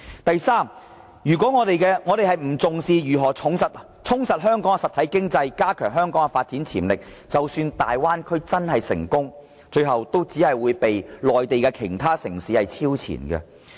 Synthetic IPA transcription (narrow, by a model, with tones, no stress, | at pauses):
t̪ɐ˨jsaː˥˩m | jyː˨˩k̬ʷɔː˨˥ŋɔː˨˧t̪e˨jkɛː˧ŋɔː˨˧t̪e˨jɦɐ˨jm̩˨˩t͡sʊ˨ŋsiː˧jyː˨˩ɦɔː˨˩ʊ˨˥ŋsɐ˨t̚ | t͡sʰʊ˥ŋsɐ˨t̚ɦœː˥ŋkɔː˨˥ŋɛ˨sɐ˨t̪ʰɐ˨˥jkɪ˥ŋt͡sɐ˧jkaː˥kʰœː˨˩ŋɦœː˥ŋkɔː˨˥ŋɡɛ˧faː˧t̚t͡si˨˥nt͡sʰiː˨˩mlɪ˨k̚ | t͡sɐ˨wsyː˧nt̪aː˨jwaː˥nkʰɵ˥ɥt͡sɐ˥nhɐ˨jsɪ̰˨˩ŋkʊ˥ŋ | t͡ʃɵ˧ɥɦɐ˨wt̪o˥wt͡siː˨˥hɐ˨jwuː˨˧jpe˨jlɔː˨jt̪e˨jkɛ˧kʰḛ˨˩t̪ʰaː˥sɪ˨˩ŋsiː˨˥hɐ˨jt͡sʰiː˥wt͡sʰḭ˨˩nɡɛ̰˧